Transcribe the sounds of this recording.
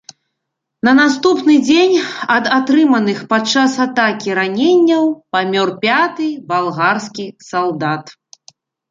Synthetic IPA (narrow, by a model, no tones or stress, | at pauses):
nɐnast̪upnɨd͡zʲenʲɐd̪at̪ɾɨmɐnɨxpat͡ʂasat̪akʲiɾanʲenʲːɐwpamʲɔrpʲat̪ɨjbalˠɣarskʲisalˠd̪at̪